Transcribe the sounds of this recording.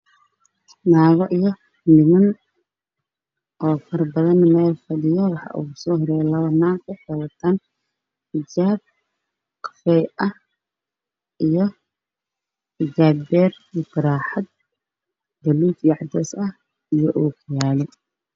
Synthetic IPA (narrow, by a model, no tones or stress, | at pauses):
naːɣɔʔijɔ | nɪmɐn | ʔɔːfɐrbɐðɐnmɛːlfɐɽɪjɐwɑħɑ̰ʔṵːsɔːhɔɾɛːjɛlɐβɐnaːʊħɪwɐt̪ʰaːn | ħɪd͡ʒaːb̚ | qʰɑ̥fɛːjʔɐh | ʔijɞ | ħɪd͡ʒaːbbɛːr | ifɐɾaːħɐd̪̚ | d̪ɐluːd̪iʕɑd̪ɛsɐh | ijɔʔuːkʰjaːlɛ